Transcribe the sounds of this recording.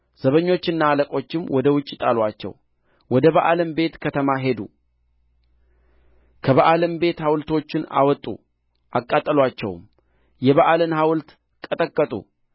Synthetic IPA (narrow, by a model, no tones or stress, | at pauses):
z̥əβəɲːo̞t͡ʃːɪnːaːləkʼo̞t͡ʃːɪmwɔd̪əwʊt͡ʃʼːit̪ʼalwat͡ʃːɛ̰w | wɔd̪əβaʔaləmbe̞t̪kʰət̪ʰəmaɦe̞d̪ṵ | kʰəβaʔaləmbe̞t̪hawlt̪o̞t͡ʃːɪna̰wɔt̪ʼṵ | ʔakʼːat̪ʼːəlwat͡ʃːɛ̰wm | jɛβaʔalənhawlt̪ | kʼət̪ʼəkʼːət̪ʼṵ